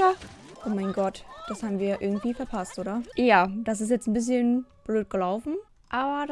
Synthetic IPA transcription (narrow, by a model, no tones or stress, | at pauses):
a | ʔoːmaɪnɡɔtd̥ashaːbm̩viːɐʔɪɐɡŋ̩tv̥iːfɛɐpʰastʔoːɾɐjaːd̥as̬ɪs̬tjɛt͡sn̩bɪs̬çənb̥løːt̚ɡ̥əlaʊfn̩ | ʔaːbɐ